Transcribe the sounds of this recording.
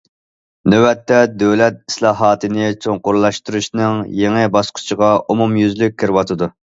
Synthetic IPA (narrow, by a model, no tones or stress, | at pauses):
nøwɛt̪ːɛd̪øwlɛt̪̚i̥slˠɑːɦɑːt̪ʰɨnɪt͡ʃʰoŋqʊɾlˠɑʃt̪uɾuʃnɨŋjeŋɪbɑsqʰʊ̥t͡ʃʰəʁɑʔumumjyzlyk̚ʲʰːiɾwɑt̪ʰɨd̪u